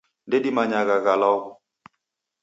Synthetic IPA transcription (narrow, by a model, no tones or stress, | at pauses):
ndɛɗimaɲaɣaɣalɔɣɔ